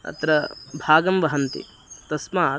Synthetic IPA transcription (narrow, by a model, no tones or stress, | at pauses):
ɐ̰t̪ɾɐbʱaːɡɐmʋɐɦɐnt̪ḭ | t̪ɐsmaː